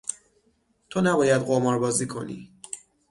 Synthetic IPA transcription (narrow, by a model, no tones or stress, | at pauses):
t̪ʰonæbɒːjæd̪ɢomɒːɾbɒːziːkʰo̞̰nḭː